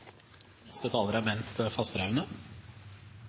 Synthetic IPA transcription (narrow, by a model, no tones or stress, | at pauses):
nɛst̪ət̪ʰɑːləɾəæːɾmɛnt̪əfɑst̪ɾɑʉnə